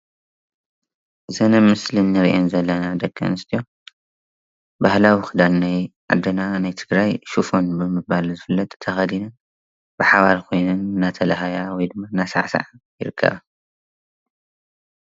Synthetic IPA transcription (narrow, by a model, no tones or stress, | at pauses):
zɐnɐmɨslɨnːɨɾiʔonzɐlːɐnad̪ɐɡʼːɐ̰nɨst̪ʰijo̞ | bahlawixɨd̪alnajʕa̰d̪ːɐnanajt̪ʰɨɡɾajʃufo̞nbɨmɨbalzɨfɨlːɐt̪ʼt̪ʰɐxɐd̪inɐ | b̥ɨħaβalkʰo̞jnɨnːat̪ʰɐlɐɦajawɔjd̪ɨmːanːasa̰ʕsa̰ʕajɪɾɨkʰːɐ̰βa